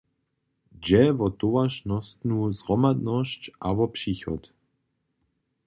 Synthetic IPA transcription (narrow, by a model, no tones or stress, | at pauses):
d͡ʒɛvɔt̪ovaʃnɔst̪nuzʁɔmad̪nɔscʔavɔpʂiːxɔ̰t̪